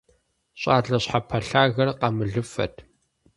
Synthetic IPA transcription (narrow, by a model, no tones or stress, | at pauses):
ɕʼaːɮɐɕħapʰɐɬaːɣɐrqɐmɨɮɨfɐ̰tʰ